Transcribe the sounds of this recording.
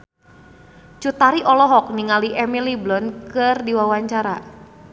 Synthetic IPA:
t͡ʃut̪aɾiʔɔlɔɦɔk̚niŋaliʔɛmiliblɔnkɨrdiwawaɲt͡ʃaɾa

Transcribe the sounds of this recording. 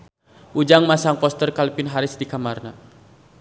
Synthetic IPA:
ʔud͡ʒaŋmasaŋpɔst̪ərkalipɪnɦaɾɪsdikamarna

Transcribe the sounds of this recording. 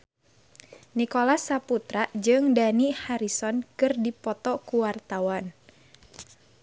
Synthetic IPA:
nikolasaput̪ɾad͡ʒɨŋdanihaɾisɔnkɨrdipɔt̪ɔkuwart̪awan

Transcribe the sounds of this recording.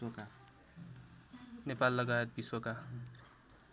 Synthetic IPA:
ka | nepalːʌɡaet̪̚biswʌka

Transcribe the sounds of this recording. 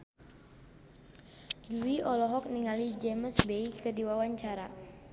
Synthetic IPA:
duiʔɔlɔɦɔk̚niŋalid͡ʒeməsbeikədiwawaɲt͡ʃaɾa

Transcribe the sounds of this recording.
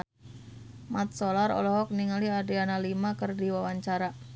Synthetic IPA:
mat̪̚solaɾɔ̰lɔɦɔk̚niŋaliadianalimakərdiwawaɲt͡ʃaɾa

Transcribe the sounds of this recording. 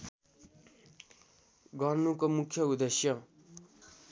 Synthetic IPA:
ɡʌrnukomukʰjʌud̪esjʌ

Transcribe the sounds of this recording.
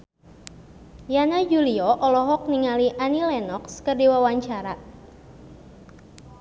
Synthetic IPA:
janad͡ʒuliɔʔɔlɔɦɔk̚niŋaliʔanilɛnɔkskərdiwawaɲt͡ʃaɾa

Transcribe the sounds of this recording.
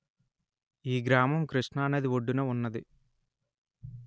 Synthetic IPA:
iːɡɾaːmɐmkɾiʂɳɐːneːd̪iʋoɖːunɐunːɐd̪i

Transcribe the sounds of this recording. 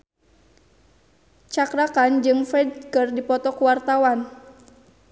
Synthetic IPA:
t͡ʃakɾakand͡ʒɨŋfɛdkərdipɔt̪ɔkuwart̪awan

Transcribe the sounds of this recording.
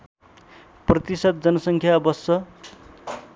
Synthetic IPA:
prʌt̪isʌd̪̚d͡zʌnʌsʌŋkʰjabʌsʌ

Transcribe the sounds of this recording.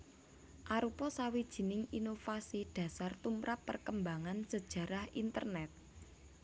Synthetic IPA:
ʔaɾupɔsawid̥ʒ̥i̤nɪŋinofasiɖ̥ä̤sart̪umɾapːərkəmbaŋansəd̥ʒ̥ä̤ɾahint̪ə̰rnɛt̪̚

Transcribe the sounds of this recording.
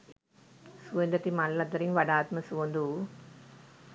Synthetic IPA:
suʋɐnd̪ɐt̪imallɐt̪ɐɾiŋʋɐɽaːt̪mɐsuʋond̪u

